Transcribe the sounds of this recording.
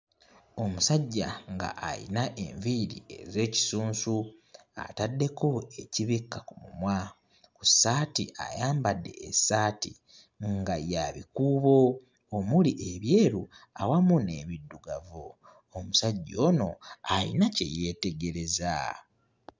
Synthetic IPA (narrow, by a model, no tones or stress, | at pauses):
o̞musaɟːa̰ŋɡa̰ʔːjḭnaʔe̞̰ɱviɾḭe̞ze̞ːci̥suːnsu | a̰tadːe̞ko̞e̞ciβikːakumumwa | kusaːtiʔa̰jaːmbadːe̞ːsaːti | ŋɡajaβikuːβo̞ | omuliʔe̞βjeːɾuawamune̞βidːuɡavoː | musaɟːo̞ːno̞alḭnace̞̰je̞ːte̞ɡe̞ɾe̞za̰